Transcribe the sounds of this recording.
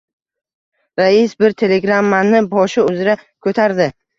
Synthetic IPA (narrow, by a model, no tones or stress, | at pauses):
ɾaɪsbɪɾt̪ʰe̞le̞ɡɾamːanɪbɒʃɪʊzɪɾakʰɵt̪ʰaɾd̪ɪ